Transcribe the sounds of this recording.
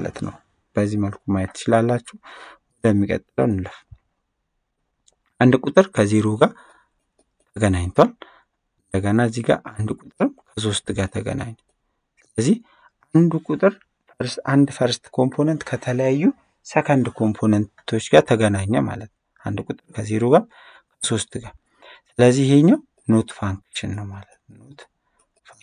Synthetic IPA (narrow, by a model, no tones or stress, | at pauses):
alə̰t̪nə̰w | b̥əzːihməlkʰumajɛt̪t͡ʃɪlalːat͡ʃːɛwwəd̪əmːikʼə̰t̪ʼːɨlə̰wnlːəf | ʔand̪kʼut̪ʼɨɾkʰəzeɾoɡa | t̪ʰəɡənaɲt̪ʰwal | ɨnd̪əɡənaziɡa̰ʔand̪kʼut̪ʼɨɾɨmkʰəs̬o̞st̪ɡat̪ʰəɡə̰na̰ɲː | sɨləzːih | ʔand̪ukʼut̪ʼɨɾ | fəɾsand̪fəɾst̪kʰo̞mpʰo̞nənt̪kʰət̪ʰələjajːu | səkʰənd̪kʰo̞mpʰo̞nənt̪ʰo̞t͡ʃːɡat̪ʰəɡənaɲːama̰lət̪n | ʔand̪kʼut̪ʼɨɾkʰəzeɾo̞ɡa | kʰəso̞st̪ʰɡa | sɨləzːihe̞ɲːaw | no̞t̪faŋkʃɪnːəwmalət̪not̪ | fa